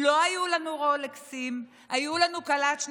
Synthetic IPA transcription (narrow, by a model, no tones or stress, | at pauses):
lo̞ajulanuʁoleksim | ajulanukalat̪ʃn